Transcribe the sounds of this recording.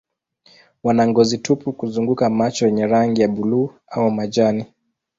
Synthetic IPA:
wanaŋɡɔzitupukuzuŋɡukamat͡ʃɔjɛɲɛɾaŋɡijaɓulu | aumad͡ʒani

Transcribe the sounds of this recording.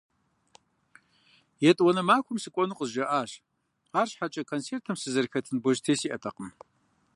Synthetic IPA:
jɛtʼwɐnɐmaːkʷʰʊmsɨkʷʼɔnuqʼəzʒɐʔaːʂ | aːrɕħat͡ʃʼɐkʰont͡sʰertʰɨmsɨzɐrxʰɐtʰɨnbʷoʒtʰeːsiʔɐtʰɐqʼəm

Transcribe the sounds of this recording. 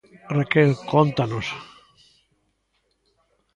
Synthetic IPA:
rakelkont̪anos

